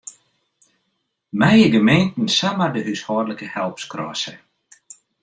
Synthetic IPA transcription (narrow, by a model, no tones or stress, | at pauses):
mɛjəɡəmentn̩samərdəʔyshɔːrləkəhɛlˠpskrɔ̰ːsə̰